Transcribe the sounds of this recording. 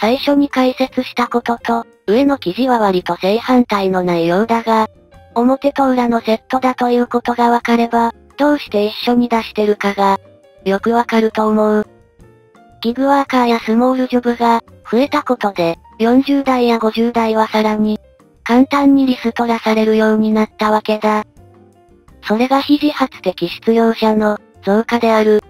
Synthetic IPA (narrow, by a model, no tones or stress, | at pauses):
saiɕo̞ɲ̟ikaise̞t͡sɨɕi̥t̪ako̞t̪o̞t̪o̞ | ɯ̟e̞no̞kʲiʑiβaβaɾʲit̪o̞ze̞ihãnt̪aino̞naijoɯd̪aɡa | o̞mo̞t̪e̞t̪o̞ɯ̟ɾano̞ze̞t̪ːo̞d̪at̪o̞jɯ̟ːko̞t̪o̞ɡaβakaɾe̞ba | d̪̥o̞ːɕi̥t̪e̞iɕːo̞ɲ̟id̪aɕi̥t̪e̞ɾɯ̟kaɡa | jo̞kɯ̟βakaɾɯ̟t̪o̞ːmo̞ɯ | ɡʲiɡɯ̟βaːkaːjasɨmo̞ːɾɯ̟ʑobɯ̟ɡaɸɯ̟e̞t̪ako̞t̪o̞d̪e̞ | jõ̞ɲ̟d͡ʑɨːd̪aijaɡo̞ʑɨːd̪aiβasaɾaɲ̟i | kãnt̪ãɲ̟ːiɾʲisɨt̪o̞ɾasaɾe̞ɾɯ̟jo̞ːɲ̟inat̪ːaβake̞d̪a | so̞ɾe̞ɡaçiʑihat͡sɨ̥t̪e̞kʲiɕi̥t͡sɨjo̞ːɕano̞ | d͡zo̞ːkad̪e̞aɾɯ̟